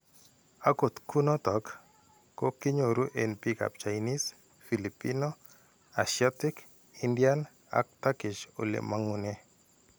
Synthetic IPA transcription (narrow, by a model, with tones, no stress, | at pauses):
a˦ko˨t̪ku˦nɔ˦t̪ɔ˨kː | o˦kɪ˦ɲo˨ɾu˦ʔe˨npi˦ka̰˨p̚t͡ʃa˨jni˦s | fi˨lipi˦no˦ | a˨sɪa˦tɪk | indja˦n | a̰˦k̚t̪a˦kɪ˨t͡ʃo̰˨lḛ˨ma˦ŋu˨ne˦